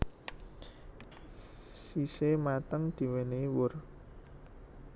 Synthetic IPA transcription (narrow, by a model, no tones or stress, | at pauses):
sisemat̪əŋd̪̥i̤wenewʊr